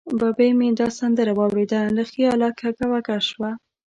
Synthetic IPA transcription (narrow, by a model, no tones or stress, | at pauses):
bɑbemed̪ɑsand̪əɾawɑwɽed̪aləxiɑlɑkʰaɡawakaʃwa